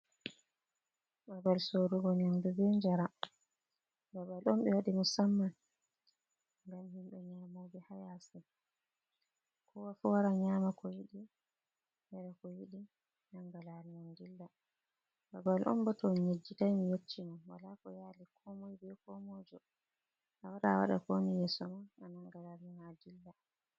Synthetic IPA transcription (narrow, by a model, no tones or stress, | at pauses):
babalsoɾuɡɔnɛmdubɛɲd͡ʒaɾa | babalɔmɓɛwaɗimusamːan | ŋɡamhimɓɛɲaːmobɛhajasɛ | kʰɔwafuwaɾaɲaːmakɔjiɗi | mɛɾakɔjiɗi | naŋɡalaɾimɔnɡilːa | babalʔɔ̰mbɔtɔɲed͡ʒːitajmijet͡ʃːinawa̰lakɔjalikʰɔmɔjbɛkɔmɔd͡ʒɔ | ʔawaɗaawa̰ɗa̰konijɛsɔmaanaŋɡalaɾmanad͡ʒilːa